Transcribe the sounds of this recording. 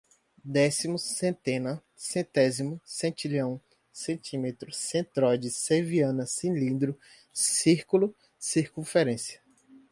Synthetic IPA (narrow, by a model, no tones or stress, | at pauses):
d̪ɛsimʊsẽt̪ẽnɐ | sẽt̪ɛzimʊsẽt͡ʃilɐ̃w̃ | sẽnt͡ʃ̪ĩmet̪ɾʊsẽt̪ɾɔjd͡ʒɪseviɐ̃nɐsĩlĩnd̪ɾʊ | siɾkulʊ | siɾkũfeɾẽsiɐ